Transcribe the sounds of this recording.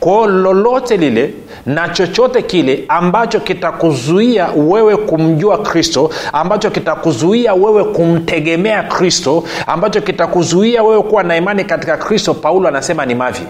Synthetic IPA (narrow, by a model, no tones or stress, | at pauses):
kwaːlɔlɔtɛlilɛ | nat͡ʃɔt͡ʃɔtɛkilɛambat͡ʃɔkitakuzuiawɛwɛkum̩ʄuakɾistɔambat͡ʃɔkitakuzuiawɛwɛkum̩tɛɠɛmɛakɾistɔa̰mbat͡ʃɔkitakuzuiawɛwɛkuwanaimanikatikakɾistɔpaulɔanasɛmanimavjḭ